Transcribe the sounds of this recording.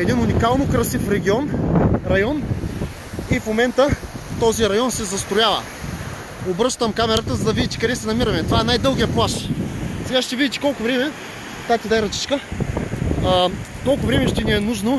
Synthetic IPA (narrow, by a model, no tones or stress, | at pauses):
ɛd̪inʊnikalˠnokɾɐsifɾɛɡ̟ʲiɔnɾɐjɔn | ifmomɛnt̪ət̪ɔziɾɐjɔnsɛzɐst̪ɾʊjavə̰ | obɾɤʃt̪ɐmkamɛɾət̪əzɐd̪ɐvid̪it̪i̥kɐd̪ɛsɛnɐmiɾɐmɛt̪ovaɛnajd̪ɤlˠɡijəplˠaʃsɛɡaʃt̪ɛvid̪ʲit̪ʲi̥kɔlˠkʊvɾɛmɛ | t̪at̪id̪ajɾɐt͡ʃ̪i̥t͡ʃkə | k̪ɔlˠkʊvɾɛmɛʃt̪ɛniɛnuʒno